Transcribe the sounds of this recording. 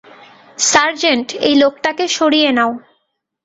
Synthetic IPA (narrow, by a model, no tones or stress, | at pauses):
saɾd͡ʑeɳʈḛjlok̚ʈakeʃoɽijenao